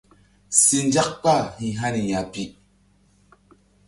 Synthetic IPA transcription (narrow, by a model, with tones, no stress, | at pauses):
si˨nd͡ʒa˦k̚pa˦˨hi˨ɦa˦ni˨ja˨pi˦